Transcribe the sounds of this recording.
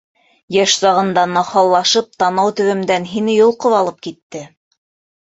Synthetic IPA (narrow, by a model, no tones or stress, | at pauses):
jæʃsɑʁɤ̆nd̪ɑnɑχɑlˠːɑʃɤp̚t̪ɑnɑwt̪ɵ̆wɘ̆md̪ænɦinɘjŏlˠqoβɑlˠɤp̚kit̪ːɘ